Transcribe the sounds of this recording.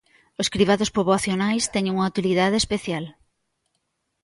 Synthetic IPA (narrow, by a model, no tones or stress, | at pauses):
oskɾiβaðospoβoaθjonajst̪ɛɲeŋuŋawt̪iliðaðeespeθjal